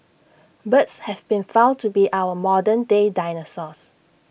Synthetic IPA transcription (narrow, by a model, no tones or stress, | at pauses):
bətshɛvbĩnfãʊ̃n̚tubiʔawəmɔdə̃ndedaɪnəsɔs